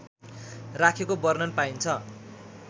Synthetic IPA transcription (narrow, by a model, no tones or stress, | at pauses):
rakʰekobʌrnʌnpaint͡sʰʌ